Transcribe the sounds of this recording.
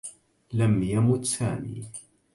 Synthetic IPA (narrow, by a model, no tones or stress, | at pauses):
lamjamʊt̪saːmḭː